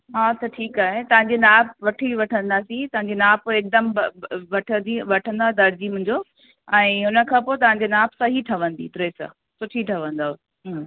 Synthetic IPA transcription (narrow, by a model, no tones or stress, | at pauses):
ɦaːt̪ɐʈʰiːkaːɦet̪ɐʋ̤ãɲd͡ʑenaːp̚ʋɐʈʰiʋɐʈʰə̃nd̪aːsĩt̪ɐɦãɲd͡ʑinaːpoeːk̚d̪əmʋɐʈʰə̃iʋɐʈʰə̃nd̪aːɦed̪ɐɾd͡ʑimʊ̃ɦɪ̃ɲd͡ʑo | ɛ̃ːʊnə̆kʰãːpoːet̪ɐʋ̤ãɲ̆d͡ʑenaːpsɐɦiʈʰɐʋə̃nd̪ḭt̪ɾeːsã̰ | sʊʈʰiʈʰɐʋə̃nd̪aːo | ɦ